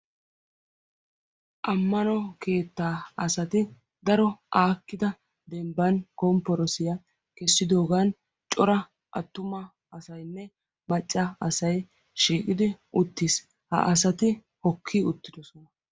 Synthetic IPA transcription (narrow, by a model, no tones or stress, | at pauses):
ʔɐmːɐnɔke̞ːt̪ːaːɐsɐt̪ɪ | d̪ɐɾɔʔaːkːɪd̪ɐ | d̪ɛmbɐnkɔmpːɔɾɔsɪjɐ | kɛsːɪd̪o̞ːɡaːn | t͡ʃʼɔɾɐ | ʔɐt̪ːʊmɐ | ɐsɐjnːɛ | mɐt͡ʃʼːɐɐsɐj | ʃiːkʼɪd̪ɪʔʊt̪ːis | hɐ̰ʔɐs̬ɐt̪ɪ | hɔkʰːiʊt̪ːɪd̪ɔsɔnɐ